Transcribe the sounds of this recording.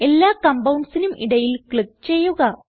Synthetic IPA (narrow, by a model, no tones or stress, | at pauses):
e̞lːaːkɐmbɐwɳɖsinumʔḭɽɐjilkɭik̚t͡ɕe̞jːuɣɐ